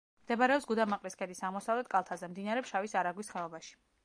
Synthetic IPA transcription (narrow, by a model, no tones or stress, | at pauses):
md̪ɛbaɾɛɔpsɡud̪amaqʼliskʰɛd̪isaʁmɔsavlɛt̪̚kʼalˠt̪ʰazɛmd̪inaɾɛpʃavisaɾaɡwisχɛɔbaʃi̥